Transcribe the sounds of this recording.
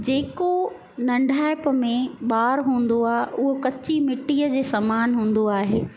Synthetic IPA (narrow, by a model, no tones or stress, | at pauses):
d͡ʑeːko | nɐ̃ɳɖʱaːɪpəmẽɓaːɾɦũːn̆d̪oaːɦeʔʊɦokɐt͡ɕimɪʈiːəd͡ʑeːsɐmaːnɦũːn̆d̪oaːɦeː